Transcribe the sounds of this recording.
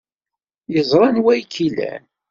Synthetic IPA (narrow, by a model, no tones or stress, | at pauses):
jəzˤɾˤɑnwæjkʰːilæ̰n